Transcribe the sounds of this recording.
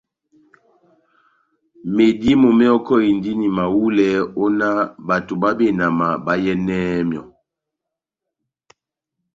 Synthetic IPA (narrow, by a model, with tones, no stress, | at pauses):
me˨di˦mɔ˨mɛ˦ɔ˦kɔ˦i˨ndi˦ni˨ma˨wu˦lɛ˨˦ɔ˦na˦ba˨tu˨ba˦be˨na˨ma˨ba˦jɛ˦nɛː˦mjɔ˨